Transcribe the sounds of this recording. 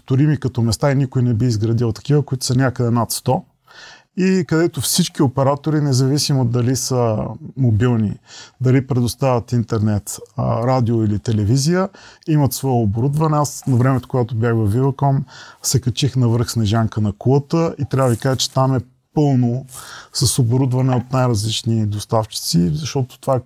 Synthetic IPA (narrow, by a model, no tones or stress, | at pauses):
t̪ʊɾimikɐt̪ɔmɛst̪ainikʊinɛbiːzɡɾɐd̪ilˠt̪ɐ̥kivəkʊit̪ʊ̥sɐnʲakəd̪ɛnat̪st̪ɔ | ikɐd̪ɛt̪ofsit͡ʃkiopɛɾat̪oɾinɛzɐvisimod̪ːɐlisəmobilˠnḭd̪ɐlipɾɛd̪ʊst̪avʲət̪int̪ɛɾnɛt̪ɾad̪ioilit̪ɛlɛvizijəimɐt̪svɔjɛoboɾud̪vɐnɛasnɐvɾɛmɛt̪okoɡat̪objaxvɐfvivɐkɔmsɛkɐt͡ʃixnɐvəɾxsnɛʒaŋkənɐkulˠət̪əit̪ɾʲavəvikaʒət͡ʃɛ̥t̪amɛ | pɤlˠnosɐsoboɾud̪vɐnɛot̪̚najɾɐzlit͡ʃnid̪ost̪aft͡ʃi̥t̪sizɐʃt̪ɔt̪o̥t̪ova